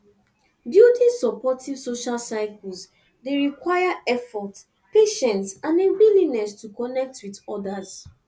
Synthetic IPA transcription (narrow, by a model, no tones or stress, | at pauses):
djudisɔpɔtiv̥soʃalsaɪkls | deɹikwajaɛfɔt | peʃɛ̃ntsãnebilinɛstukɔnɛk̚twidɔdaz̥